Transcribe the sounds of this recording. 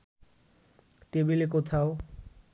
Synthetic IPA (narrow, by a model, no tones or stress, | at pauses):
t̪ebilek̬ot̪ʰao